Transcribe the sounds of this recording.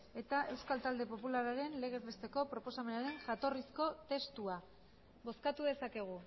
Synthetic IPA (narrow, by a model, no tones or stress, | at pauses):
e̞t̪aʔe̞wskalt̪ald̪e̞po̞pulaɾaɾe̞nle̞ɣ̞e̞zβest̪e̞ko̞pɾo̞po̞same̞naɾe̞ŋʝat̪o̞risko̞t̪e̞st̪ua | βo̞skat̪uðe̞sake̞ɣ̞u